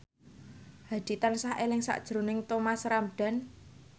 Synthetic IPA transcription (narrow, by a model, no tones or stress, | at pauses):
had̪̥i̤t̪ansaɦʔelɪŋsa̰ʔd̥ʒ̥ɾunɪŋt̪omasɾamɖ̥a̤n